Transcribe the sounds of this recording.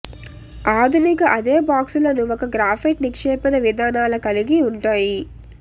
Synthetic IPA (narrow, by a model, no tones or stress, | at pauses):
aːd̪ʱunikɐʔɐd̪e̞ːbaːksulɐnuʋɔkɐɡɾaːpʰiʈnikʂeːpinɐʋid̪ʱaːnaːlɐkɐliɡiuɳʈaːji